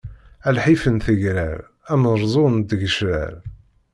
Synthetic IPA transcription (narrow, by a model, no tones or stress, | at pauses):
ælħifənθəʝɾæ̰ɾ | æmɾˤzˤond̪əʝəʃɾæ̰ɾ